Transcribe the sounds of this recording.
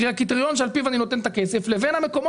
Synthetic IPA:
iakit̪ʁijo̞nʃealpivanino̞t̪ent̪akeseflevenhame̞ko̞mo

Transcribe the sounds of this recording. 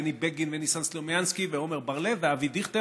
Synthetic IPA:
nibeɡinvenisanslovjanskiveomeʁbaʁleveavid̪iχt̪e

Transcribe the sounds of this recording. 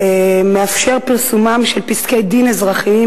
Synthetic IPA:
emeafʃe̞ʁpiʁsumamʃelpiskejd̪inezʁaχi

